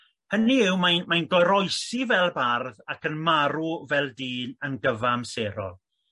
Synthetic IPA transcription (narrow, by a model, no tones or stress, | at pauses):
həniɪwmajnmajnɡɔjɾɔɨsivɛlˠbarðakənmaɾuvɛlˠdiːnənɡəvamseːɾɔ̰lˠ